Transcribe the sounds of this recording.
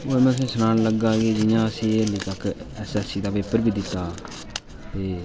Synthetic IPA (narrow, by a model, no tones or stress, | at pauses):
oːmɛ̃ːs̬ĩːsənaːnləɡːaːkeːd͡ʒɪjãːəsĩːəlːiːt̪əkɛsɛsiːd̪aːʋeːpəɾbiːd̪ɪt̪ːaː | peː